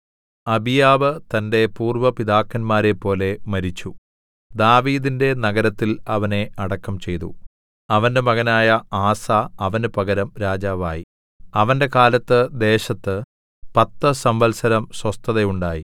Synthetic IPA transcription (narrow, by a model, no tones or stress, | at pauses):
ɐbijaːʋɨt̪ɐnde̞puːrʋɐpid̪aːkːɐnmaːɾepːo̞ːle̞mɐɾit͡ɕːu | d̪aːʋiːðinde̞nɐɡɐɾɐt̪ːilɐʋɐne̞ɐɽɐkːɐmt͡ɕe̞jt̪ṵ | ɐʋɐnde̞mɐɣɐnaːjɐaːsaːɐʋɐnɨpɐɡɐɾɐmɾaːd͡ʑaːʋaːji | ɐʋɐnde̞kaːlɐt̪ːɨd̪e̞ːɕɐt̪ːɨ | pɐt̪ːɐsɐmʋɐlsɐɾɐmswɐst̪ʰɐðɐjuɳɖaːji